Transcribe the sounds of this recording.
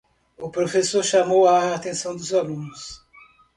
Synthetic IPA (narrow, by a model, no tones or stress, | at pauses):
ʊpɾofesoɾʃamowaːt̪ẽsɐ̃w̃d̪ʊzalũnʊs